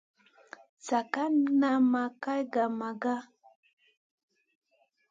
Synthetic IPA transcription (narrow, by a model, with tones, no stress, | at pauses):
t͡sa˨ka˦na˦ma˨ka˦jɡa˨ma˨ɡa˦